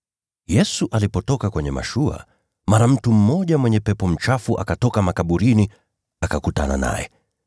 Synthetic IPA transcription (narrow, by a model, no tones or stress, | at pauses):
jɛsuʔalipɔtɔkakwɛɲɛma̰ʃua̰ | maɾam̩tum̩mɔʄamwɛɲɛpɛpɔm̩t͡ʃafuʔa̰katɔkamakaɓuɾini | akakutana̰na̰jɛ̰